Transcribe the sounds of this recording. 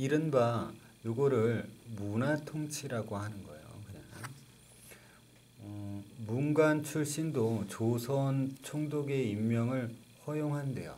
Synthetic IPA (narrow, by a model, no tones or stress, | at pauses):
iɾɯnba | joɡʌɾɯɭmunatʰoŋt͡ɕʰiɾaɡohanɯnɡʌḛjo̰kɯɲana | ʌmuŋɡant͡ɕʰuɭɕ͈indot͡ɕosʰʌnt͡ɕʰoŋdoɡe̞imːjʌŋɯɭ | ɸʌjoŋɦande̞̰jo̰